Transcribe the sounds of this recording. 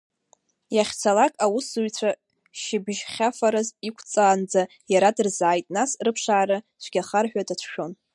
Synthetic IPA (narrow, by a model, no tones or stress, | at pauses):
jaχʲt͡sʰalakʼawusujt͡ɕʷʰa | ʃɪbʒχʲafaɾɨzikʷʰt͡sʼaːnd͡za | jaɾadɨrzaːjtʼnasrɨpʰʂaːɾɨ | t͡ʃʷʰɡʲaχarħᶣadat͡ʃʷʰʃᶣon